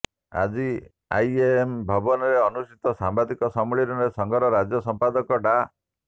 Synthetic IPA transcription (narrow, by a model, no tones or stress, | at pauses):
a̰d͡ʒi | a̰jembʱɔbɔnɔɾeɔnusʈit̪ɔsambad̪ikɔsɔmɔɭiɾɔnɾesɔŋɡʱɔɾɔɾad͡ʒjɔsɔmpad̪ɔkɔʈa